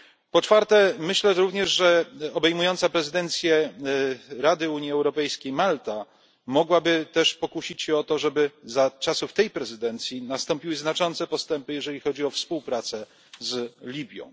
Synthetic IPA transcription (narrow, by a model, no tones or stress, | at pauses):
pɔt͡ʂfaɾt̪ɛmɘɕlɛɾuvɲɛʐʐɛɔbɛjmujɔnt̪sapɾɛzɘd̪ɛnt̪sʲjɛ | ɾad̪ɘuɲjiɛwɾɔpɛjskʲejmalt̪a | mɔɡwabɘt̪ɛʂpɔkuɕit͡ɕɕɛɔt̪ɔʐɛbɘzat͡ʂasuft̪ɛjpɾɛzɘd̪ɛnt̪sʲjinast̪ɔmpʲiwɘznat͡ʂɔnt̪sɛpɔst̪ɛmpɘjɛʐɛlʲixɔd͡ʑiɔfspuwpɾat̪sɛ | zlʲibʲjɔ̰̃w̃